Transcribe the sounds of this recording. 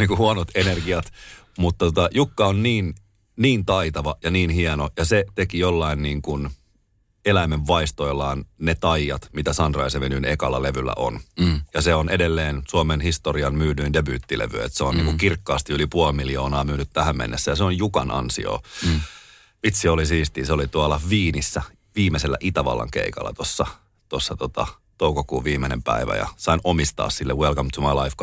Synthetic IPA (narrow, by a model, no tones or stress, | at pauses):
niːkuhuonot̪enerɡiɑt̪ | mut̪t̪ːot̪ɑjukːɑonniːn | niːnt̪ɑit̪ɑʋɑjɑniːnhiɛnojɑset̪ekijolːɑinniːŋkun | elæimeʋːɑist̪ojlːɑːnnet̪ɑijɑt̪mit̪æsɑnt̪rɑ̰iseʋenynekɑlːɑleʋylːæ̰ʔo̰njɑseonʔedelːeːnsuomenhist̪oriɑnmyːnyindebyːt̪ːilḛʋyḛt̪seonniːŋkuŋkirkːɑːst̪iylipuolmiljoːnɑːmyːnyt̪t̪æhæmmḛnːesːæjɑseonjukɑnʔɑ̰nsḭo̰ː | ʋit̪siolisiːst̪iːseolit̪uɑlːɑʋiːnisːæ | ʋiːmeselːæ̰ʔit̪æʋɑ̰lːɑ̰ŋkḛikɑ̰lːɑ̰t̪osːɑ | t̪osːɑt̪ot̪ɑ̰ | t̪oukokuːʋiːmenḛmpæ̰iʋæ̰jɑ̰sɑinʔomist̪ɑ̰ːssilːewelkɑmt̪ʰumɑlɑifk